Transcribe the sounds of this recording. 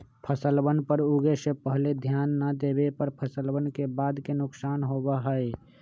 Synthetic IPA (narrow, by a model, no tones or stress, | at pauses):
pʰəsəlbənpəɾuɡesẽpəɦled̪ʱjanːəd̪ebepəɾpʰəsəlbənkebaːd̪kenʊksaːnɦobəɦəe